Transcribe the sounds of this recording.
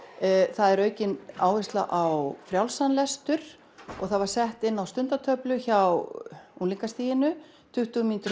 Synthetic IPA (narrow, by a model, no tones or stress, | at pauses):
θaðɛɾœːɥcɪnaːwvɪst̪laʔawfɾjawlsanlɛst̪ʏɾ̥ | ɔ̰ɣθaðvaɾ̥sɛht̪ɪnːawst̪ʏnt̪at̪ʰœplʏçawunliŋkast̪iːjɪnʏ | t̪ʰʏht̪uʏmiːnt̪ʏɾ